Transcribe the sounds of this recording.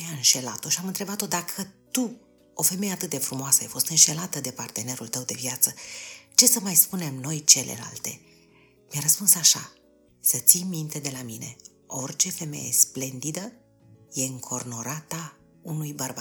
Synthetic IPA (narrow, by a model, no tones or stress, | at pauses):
aɨnʃe̞la̰t̪o̞ʃiamɨnt̪ɾe̞bat̪o̞d̪akʰət̪u | o̞fe̞meje̞at̪ɨt̪̚d̪e̞fɾumoasəajfo̞st̪ɨnʃe̞lat̪əd̪e̞part̪e̞ne̞ɾult̪əwd̪e̞vijat̪sət͡ʃe̞səmajspune̞mno̞jt͡ʃe̞le̞̰la̰lt̪e̞̰ | mjaɾəspunsaʃa | sət̪sijmint̪e̞d̪e̞lamine̞̰ | o̞rt͡ʃe̞fe̞me̞̰je̞̰sple̞nd̪id̪ə | je̞ɨŋkʰo̞rno̞ɾat̪a | unujbərbat̪